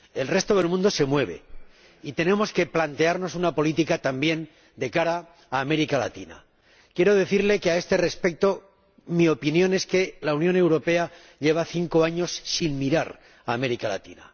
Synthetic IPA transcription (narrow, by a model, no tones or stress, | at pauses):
e̞lre̞st̪o̞ðe̞lmũnd̪o̞se̞mwe̞β̞e̞̰ | it̪e̞nẽ̞mo̞ske̞plant̪e̞aɾno̞sunapo̞lit̪ikat̪ambje̞n | d̪e̞kaɾaː | me̞ɾikala̰t̪ina̰ | kje̞ɾo̞ðe̞θiɾle̞kae̞st̪e̞re̞spe̞k̚t̪o̞ | mio̞pinjõ̞ne̞ske̞launjõ̞ne̞wɾo̞pe̞a | ʎe̞β̞aθiŋko̞aɲo̞sːinmiɾaɾ | aːme̞ɾikala̰t̪ḭna̰